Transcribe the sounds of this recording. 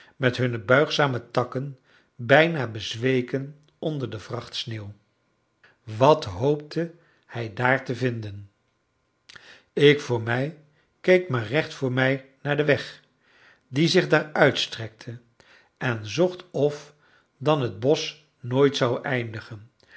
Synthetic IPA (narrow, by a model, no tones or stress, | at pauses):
mɛtɦɵnəbœɥχsaːmətɑkən | bɛjnaːbəzʋejkən | ɔndəɹdəvrɑχtsneːw | ʋɑtɦowp̚tʰə | hɛjdaːɹtəvɪndən | ɪkfʊːɹmɛj | kejkmaːrɛχtfʊːɹmɛjnaːɹdəʋɛχ | dizɪχdaːɹœɥtstrɛk̚tʰə | ɛnzɔχtɔf | dɑnɦəd̚bɔs | noːjtsɑwʔɛjndəχən